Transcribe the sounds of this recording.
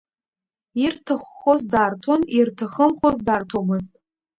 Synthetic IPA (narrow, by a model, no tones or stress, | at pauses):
irtʰaχʷːozdaːrtʰo̞nirtʰaχəmχozdaːrtʰomɨztʼ